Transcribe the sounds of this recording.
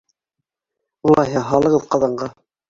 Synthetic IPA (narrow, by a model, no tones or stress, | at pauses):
ulˠɑjɦɑɦɑlˠɤ̆ʁɤðqɑðɑɴɢɑ